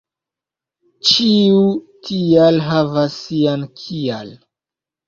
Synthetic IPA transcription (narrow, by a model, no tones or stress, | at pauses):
t͡ʃiu | tʰialɦavasːiankʰial